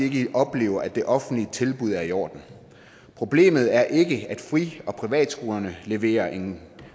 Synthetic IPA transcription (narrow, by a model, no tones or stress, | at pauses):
e̝ɡ̥əʔɒ̽b̥le̝̰ːʊɐæd̥e̝ʔɒ̽fn̩d̥lit͡sʰe̝lb̥uð̞ˠæɐijo̰ːd̥n̩ | pʰʁo̝b̥le̝̰ːmð̞̩ˠæɐʔe̝ɡ̥əæd̥fʁḭːɒ̽pʰʁiʋɛ̰ːd̥sɡ̥o̝ːlɐnəle̝ʋe̝̰ːɐʔe̝ŋn̩